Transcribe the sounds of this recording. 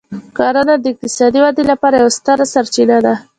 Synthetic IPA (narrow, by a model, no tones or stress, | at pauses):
kɑɾanad̪əɪq̚t̪ɪsɑd̪iwad̪elapɑɾajawst̪əɾasaɾt͡ʃinad̪a